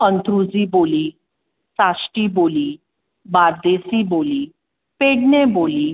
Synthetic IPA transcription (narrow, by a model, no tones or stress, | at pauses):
ənt̪ʰɾud͡ziːboliː | sasʈiːboliː | baɾd̪esiboliː | peɽɳeboliː